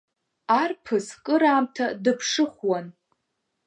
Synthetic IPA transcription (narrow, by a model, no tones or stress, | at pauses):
arpʰɨskʼɨɾaːmtʰadɨpʰʂɨχʷwan